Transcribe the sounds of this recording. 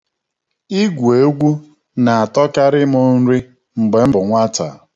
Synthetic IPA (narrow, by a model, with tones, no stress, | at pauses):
i˦ɡʷu˨e˨˦ɡʷu˦ | na˨a˨tɔ˦ka˦ɾɪ˦mʊ˦n̩˦ɾi˦ | ŋ͡m̩˨ɡ͡be˨m̩˦bʊ˨ŋʷa˦ta˨